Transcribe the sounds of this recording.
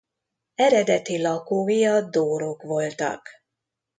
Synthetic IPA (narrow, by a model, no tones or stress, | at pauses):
ɛɾɛd̪ɛt̪ilɒkoːijɒd̪oːɾo̞kʋo̞lt̪ɒ̰k